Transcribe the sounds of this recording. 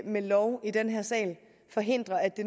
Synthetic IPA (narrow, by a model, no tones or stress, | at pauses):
melɒʊid̥enɦæɐsɛ̰ːl | fɒ̽ɦe̝n̰d̥ʁɐæd̥e̝